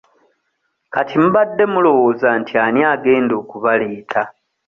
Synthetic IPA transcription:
katʰim̩βadːe̞mulo̞wo̞ːzantʰianiaɡe̞ːndo̞ːkuβale̞ːtʰa

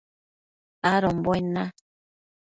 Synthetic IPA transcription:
aɾɔmbɔena

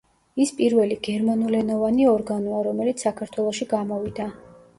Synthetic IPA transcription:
ispʼiɾvɛliɡɛɾmanulɛnɔvaniɔɾɡanɔaɾɔmɛlit̪ssːakʰaɾt̪ʰwɛlˠɔʃiɡamɔvid̪a

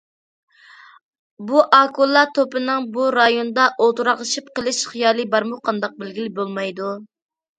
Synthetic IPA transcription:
buʔɑkulˠːɑt̪ʰopɨnɨŋbuɾɑjonɨd̪ɑʔolˠt̪uɾɑʁlˠəʃip̚qəlˠɨʃχijɑːlˠɨbɑɾmuqʰɑnd̪ɑq̚bɪlɡʲilɪbolˠmɑjd̪u

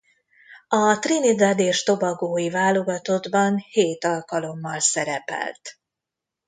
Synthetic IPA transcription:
ɒt̪rinid̪ad̪eːʃt̪o̞bɒɡoːjivaːlo̞ɡɒt̪o̞d̪bɒnheːt̪ɒlkɒlo̞mːɒlsɛɾɛpɛ̰lt̪

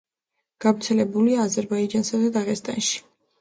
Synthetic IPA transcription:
ɡ̥avɾt̪sʰɛlɛbuliaːzɛɾbaid͡ʒansad̪ad̪aʁɛst̪ʼa̰nʃi̥

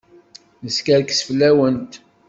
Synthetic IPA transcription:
nəskəɾksəflːæwənt̪

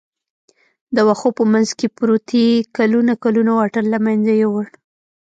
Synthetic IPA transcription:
d̪əwaxopəmanzkepɾot̪ekalunakalunawaʈaɾlamajnzajawəɽ

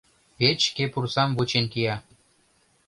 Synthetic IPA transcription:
pet͡ɕkepursɑmβut͡ɕenkijɑ

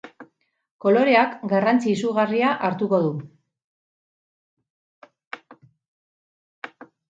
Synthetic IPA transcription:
ko̞lo̞ɾe̞akɡarant͡siːsuɣariaʔaɾt̪uko̞ðu

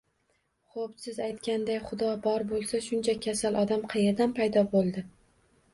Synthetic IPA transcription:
χopsɪzajt̪kʲand̪ajχʊd̪ɒbɒɾbolˠsaʃʊnt͡ʃʰakʲʰasalˠʔɒd̪amqʰɑjeɾd̪anpʰajd̪ɒbolˠd̪ɪ

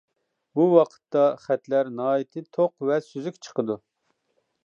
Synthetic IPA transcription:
buwɑqʰə̥t̪ːɑχɛt̪læɾnɑːjit̪ʰɨt̪ʰoqvɛsyzykʲt͡ʃʰə̥qəd̪u

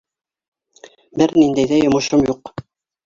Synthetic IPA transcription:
bɘɾnind̪æjðæjŏmŏʃomjuq

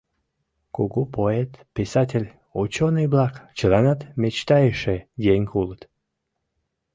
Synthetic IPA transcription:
koɣopoet̪pisɑtʲelʲ | ot͡ɕonɨjblɑkt͡ɕəlɑnɑt̪met͡ɕt̪ɑjeʃejeŋʲkulət̪

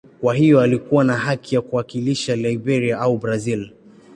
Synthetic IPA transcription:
kwaɦijɔalikuwanaɦakijakuwakiliʃalaibɛɾiaʔaubɾazil

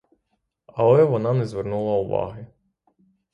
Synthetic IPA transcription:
ɐlˠɛʋɔnɑnɛzʋɛrnulˠɐʊʋɑ̰ɦɪ

